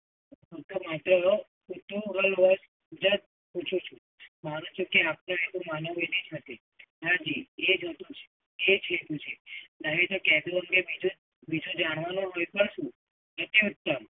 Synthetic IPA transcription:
ut̪omat̪ɾə | ut̪uɦəlʋəs | d͡ʒət̪̚ | put͡ʃʰũt͡ʃʰũ | mañũt͡ʃʰũkeap̚noekũmanoʋed̪id͡ʒɦət̪e | ɦãd͡ʒied͡ʒɦət̪ũt͡ʃʰe̥ː | d͡ʒʰet̪ũt͡ʃʰenaɦit̪okɛd̪uəŋɡebid͡ʒũ | bid͡ʒũd͡ʒaɽ̃ʋanõɦojpəɳʃũ | nət̪iut̪ːəm

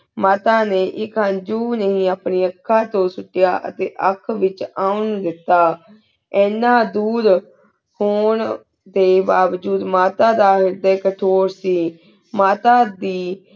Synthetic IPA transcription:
maːt̪aːneːʔɪkɦənd͡ʒuːnəɦĩːaːpniːəkʰːaːt̪õːsʊʈːɪjaːʔə̰t̪eːʔəkʰʋɪt͡ʃaːʊnd̪ɪt̪ːaː | ɛːnãːd̪uːd̪ | hoːɳ | d̪eːbaːʋd͡ʒuːd̪maːt̪aːd̪aːɦɪɾd̪eːkəʈʰoːɾsiː | maːt̪aːd̪iː

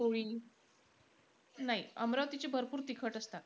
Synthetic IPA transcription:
oɭiː | naɦiəmɾaʋt̪it͡ɕebʱəɾpuːɾt̪ikʰəʈəst̪a

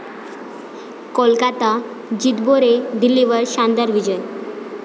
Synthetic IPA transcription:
kolkat̪a | d͡ʑit̪boɾed̪ilːiʋəɾɕand̪aɾʋid͡ʑəj

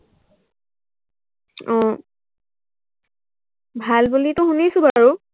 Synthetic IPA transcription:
ɔ̃ | bʱalbulitʊxunisʊ̃baɹu

